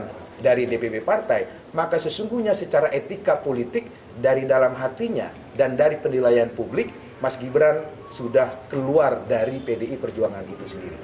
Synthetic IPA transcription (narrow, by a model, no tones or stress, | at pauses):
n | daɾidepebepart̪aj | makasəsuŋɡuhɲasət͡ʃaɾaʔet̪ikapolit̪ɪk̚ | daɾidalamɦat̪iɲa̰ | dandaɾipənilajanpublɪk̚ | masɡibəɾan | sudahkəluardaɾipedeipərd͡ʒuaŋanit̪usəndiɾḭ